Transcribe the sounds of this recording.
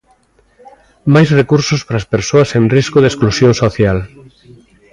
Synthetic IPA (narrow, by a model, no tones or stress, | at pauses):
majsrekuɾsospɾaːspeɾsoasenriskoðesklusjõŋsoθjal